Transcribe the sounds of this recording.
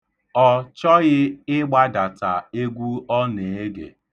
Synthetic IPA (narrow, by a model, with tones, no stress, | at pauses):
ɔ˦t͡ʃɔ˦ɣɪ˦ɪ˦ɡ͡ba˦da˨ta˨e˦ɡʷu˦ɔ˦ne˨e˦ɡḛ˨